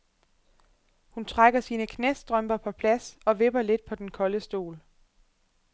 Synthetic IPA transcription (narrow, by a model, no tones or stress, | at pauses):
hunt͡sʰʁaɡ̥ɐsiːnəkʰnesd̥ʁœm̰b̥ɐpʰɒ̽pʰlæsɒ̽ʋe̝b̥ɐle̝d̥̚pʰɒ̽d̥enkʰɒ̽ləsd̥o̝̰ːl